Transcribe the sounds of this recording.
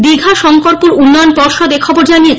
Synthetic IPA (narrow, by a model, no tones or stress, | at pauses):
biɡʱaʃɔŋkoɾpuɾunːɔjonpɔɾʃod̪ekʰɔboɾd͡ʑanie